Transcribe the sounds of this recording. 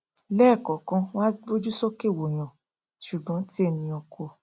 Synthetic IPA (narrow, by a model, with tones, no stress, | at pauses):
lɛː˦˨kɔ˨kã˧w̃ã˦bo˦d͡ʒu˦sɔ˦ke˦˨wo˨j̃ã˨ | ʃu˨ɡ͡bɔ̃˨˦ti˦e˦˨nĩ˧ɔ˧kʰo˧